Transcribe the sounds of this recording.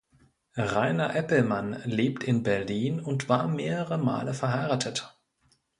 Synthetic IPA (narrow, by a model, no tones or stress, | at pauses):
ʁaɪnɐʔɛpl̩manleːp̚tʰɪnbɛɐliːnʊntv̥aːɐmeːʁəʁəma̰ːləfɛɐɦaɪʁaːtʰət